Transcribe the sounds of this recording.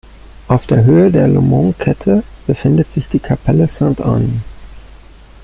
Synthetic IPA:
ʔaʊfd̥eːɐɦøːədeːɐlo̰mɔ̃ŋkʰɛtʰəb̥əfɪndətz̥ɪçd̥iːkʰapʰɛləsãnta̰n

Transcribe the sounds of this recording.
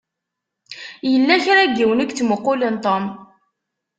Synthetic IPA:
jəlːæçɾæɡːiwənækt͡sːməqːʊlənt̪ˤom

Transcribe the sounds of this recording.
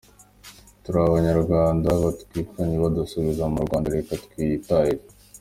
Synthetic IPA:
tuɾaβaɲaɾɡwaːndaβatkiːkaɲiβadusuβizamuɾɡwaːndaɾekat̪kwitahiɾe

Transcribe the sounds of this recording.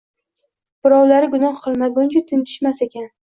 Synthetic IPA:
b̥ɪɾɒwlaɾɪɡʊnɒhqʰɨlˠmaɡʊnt͡ʃʰʊt̪ʰɪnt̪ʰɪ̥ʃmasekʲan

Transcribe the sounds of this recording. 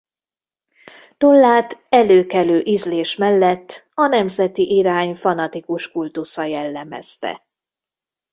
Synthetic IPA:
t̪olːaːt̪ɛløːkɛløːʔizleːʃmɛlːɛt̪ːɒnɛmzɛt̪iʔiɾaːɲfɒnɒt̪ikuʃkult̪usɒjɛlːɛmɛ̰st̪ɛ̰

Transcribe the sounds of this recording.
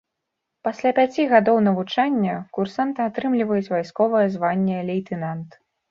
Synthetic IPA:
pasʲlʲapʲat͡sʲiɣad̪ɔwnɐvut͡ʂanʲːɐkursant̪ɨat̪ɾɨmlʲivɐjut͡sʲvajskɔvɐjɛɐzvanʲːɛlʲejt̪ɨnant̪

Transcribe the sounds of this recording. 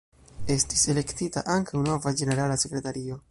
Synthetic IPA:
e̞stise̞le̞ktita̰ʔaŋkʰawno̞vad͡ʒe̞ne̞ɾalase̞kɾe̞taɾio̞

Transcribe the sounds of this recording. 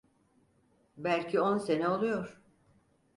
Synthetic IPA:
bælʲcʰionse̞nɛolˠujo̞ɾ̥

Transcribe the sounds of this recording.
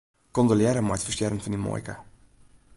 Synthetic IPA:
kɔndəljɛɾəmajtfərstjɛrənfɔndimo̰ːjka

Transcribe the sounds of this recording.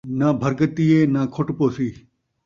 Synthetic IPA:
nabʱɐɾkət̪ieːnaːkʰʊʈpoːsiː

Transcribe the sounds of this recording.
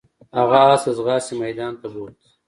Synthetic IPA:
haɣaːsazɣɑːsimajd̪ɑːnt̪aʐot̪

